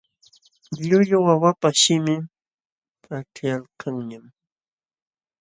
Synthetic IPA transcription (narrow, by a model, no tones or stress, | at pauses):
ʎʊʎʊwawapaʃɪmɪ | aʈ͡ʂjalkʰaŋɲam